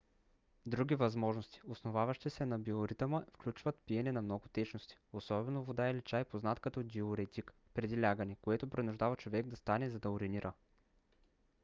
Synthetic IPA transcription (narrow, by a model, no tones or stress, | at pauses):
d̪ɾuɡʲivɐzmɔʒnost̪i̥osnovavɐʃt̪isɛnɐbioɾit̪əməfklʲut͡ʃvət̪piɛnɛnɐmnɔɡʊt̪ɛt͡ʃnost̪i̥osɔbɛnovod̪aɛlit͡ʃajpoznat̪kɐt̪ɔd̪ioɾɛt̪ʲik | pɾɛd̪ilʲaɡənɛkoɛt̪opɾɛnuʒd̪avɐt͡ʃovɛɡ̚d̪ɐst̪anɛzɐd̪ɐoɾɛniɾʔə